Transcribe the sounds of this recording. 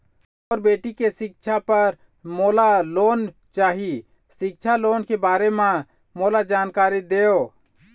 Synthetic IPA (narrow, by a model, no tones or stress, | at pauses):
ɔːɾbeːʈikesɪk̚t͡ʃʰapəɾ | moːlaloːn | t͡ʃaːɦi | sɪk̚t͡ʃʰaloːnkebaːɾemã | moːlad͡ʒaːnkaːɾid̪eːo